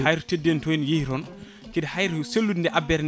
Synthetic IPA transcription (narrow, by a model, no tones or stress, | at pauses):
ajɾutedːentɔjnjihɾɔn | kidhajɾselːudndɛʔabɛɾn